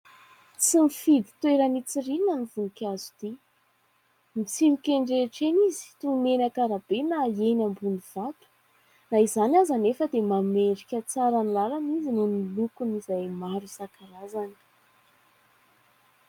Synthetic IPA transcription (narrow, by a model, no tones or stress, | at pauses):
t͡simifid̪i̥t̪weɾənit͡sirinanivunikʲazud̪i | mit͡simikʲeɳɖ͡ʐeʈ͡ʂenizi̥t̪umenakaɾabenaenambuniv̥at̪u̥ | naizanʲazanefəd̪emameɳɖ͡ʐikʲət͡saɾanlaɾanizinunilukunizajmaɾusakaɾazani̥